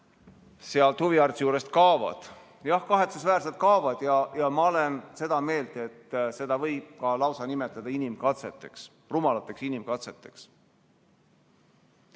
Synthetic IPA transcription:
seɑlt̪huviɑrt̪sjuːɾe̞st̪kɑːvɑ̰d̪̥ | jɑhkɑɦe̞t̪sesvæːrs̬e̞lt̪̚kɑovɑd̪̥jɑjɑmɑole̞nse̞d̪̥ɑme̞ːld̪̥e̞t̪ːse̞d̪̥ɑvɤjb̥̚kɑlɑwsɑnime̞t̪ːˑɑd̪̥ɑinimkɑt̪set̪ːˑe̞ks | rumɑlɑt̪ˑːe̞ksinimkɑt̪se̞t̪ːˑe̞̥ks

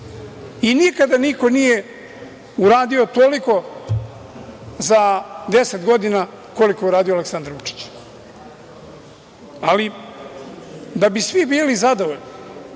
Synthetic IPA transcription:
inikad̪aniko̞nije | uɾaːd̪io̞t̪oliko̞ | zad̪eset̪ɡo̞d̪ina | ko̞likouɾaːd̪ijoaleksand̪aɾut͡ʃi̥t͡ɕ | ali | d̪abisʋibiːlizad̪oʋoʎni

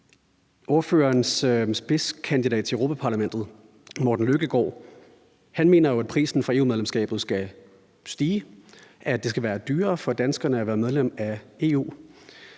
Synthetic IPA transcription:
ʔo̝ɐfø̰ːɐːnssb̥eskʰænd̥idɛ̰ːd̥̚t͡sʰe̝øʊʁoːpʰæpʰɑ̈læmen̰d̥ð̩ˠ | mɒ̰ːd̥n̩løɡ̥əɡ̥ɒ̰ː | hænme̝ːnɐjo̝æd̥̚pʰʁḭːsn̩fʁɑ̈e̝ːṵmeðˠlemsɡ̥ɛ̰ːb̥ð̞̩ˠsɡ̥æ | sd̥iːʔæd̥e̝s̬ɡ̥æʋæːɐd̥yːɐfɒ̽d̥ænsɡ̥ɐnəæʋæːɐmeðˠlem̰æe̝̰ːṵː

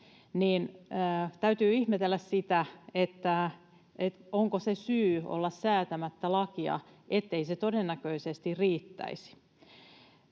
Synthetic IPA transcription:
niːnː | t̪æyt̪yːihmet̪elːæssit̪æet̪ːæ | et̪oŋkosesyːo̰lːɑssæːt̪æmæt̪ːælɑkiɑ̰ʔet̪ːeiset̪odenːækøisest̪iriːt̪ːæ̰isi̥

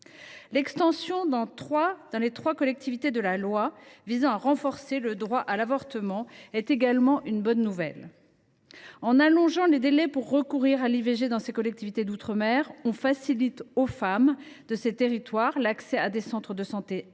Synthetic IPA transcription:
lɛkst̪ɑ̃sjɔ̃d̪ɑ̃t̪χwad̪̥ɑ̃let̪χwakɔlɛk̚t̪ivit̪ed̪əlalwavizɑ̃aʁɑ̃fɔʁseləd̪ʁwaʔalavɔʁt̪əmɑ̃ɛt̪eɡalmɑ̃ʔynbɔnːuvɛ̰l | ɑ̃nalɔ̃ʒɑ̃led̪elɛpuʁːəkuʁiʁaliveʒed̪ɑ̃sekɔlɛk̚t̪ivit̪ed̪ut̪χəmɛʁɔ̃fasilit̪ofamd̪əset̪eʁit̪waʁlaksɛad̪esɑ̃t̪χəd̪əsɑ̃t̪e

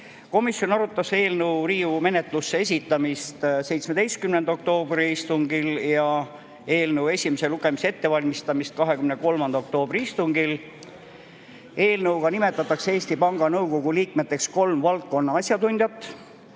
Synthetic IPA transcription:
ko̞misjo̞nɑɾut̪ːˑɑse̞ːlnəwɾiːume̞net̪ˑlusːees̬ʲit̪ˑːɑmist̪se̞jt̪smed̪e̞jst̪̚kymnend̪o̞k̚t̪o̞ːbriist̪uŋɡiljɑ | e̞ːlnɤwe̞sʲimese̞luɡ̥e̞misee̞t̪ːe̞vɑlʲmist̪ɑmist̪̚kɑɦe̞kymneko̞lmɑnd̪̥ɑok̚t̪o̞ːb̥ɾiist̪uŋɡil | e̞ːlnɤwkɑnime̞t̪ːˑɑt̪ːˑɑkseeːsʲt̪ipɑŋɡ̥ɑnɤwko̞ɡ̥uliːk̚met̪ːˑe̞ksko̞lmvɑlt̪̚ko̞nːɑɑsʲjɑt̪unʲd̪jɑt̪ːˑ

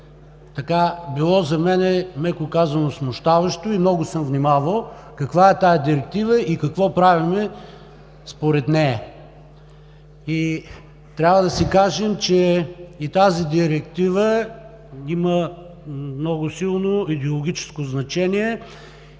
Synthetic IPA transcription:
t̪ɐkabilˠɔzɐmɛnɛmɛkokazənosmʊʃt̪avɐʃt̪oimnɔɡʊsəmvnʲimavəlˠ | kɐkvaɛt̪ajɐd̪iɾɛk̚t̪ivəʔikɐkvɔpɾavimɛ | spoɾɛt̪nɛɐ | i | t̪ɾʲavəd̪ɐsikaʒɛmt͡ʃɛit̪azid̪iɾɛkt̪ivə | imə | mnɔɡʊsilˠnoid̪ɛolˠoʊɡʲit͡ʃɛ̥skoznɐt͡ʃɛniɛ

